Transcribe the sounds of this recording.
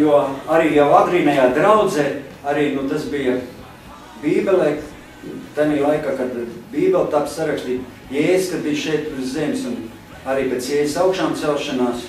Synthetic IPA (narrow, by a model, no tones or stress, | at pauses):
juɔaɾiːjawaɡɾiːnɛjaːd̪ɾawd̪zeː | aɾiːnut̪asbijɐ | biːbʲelˠɛː | t̪anʲiːlˠajkaːkad̪biːbʲelˠt̪apsaɾakst̪b̪ʲij | jeːzʲskad̪̚bijʃɛjt̪ɪzzemʲsun | aɾiːpʲet̪sjɛːzʲisaʊkʃaːmt̪sɛlʃanaːs